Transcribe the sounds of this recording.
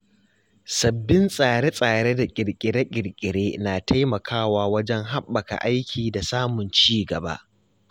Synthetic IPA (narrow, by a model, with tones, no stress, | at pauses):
sɐ˨bːɪ˦nsʼaː˨ɽe˦sʼaː˨ɽe˦da˨kʲʼɪ˨ɽkʲʼɪ˨ɽe˦kʲʼɪ˨ɽkʲʼɪ˨ɽeː˦naː˨tʰa˦jmɐ˨kʰaː˦waː˦wɐ˦d͡ʒɛ˦ŋɦa˦ɓːɐ˨ka̰˨ʔa˦jkʲʰiː˨da˨saː˦mʊ˨nt͡ʃiː˦ɡɐ˨ba̰˦ʔ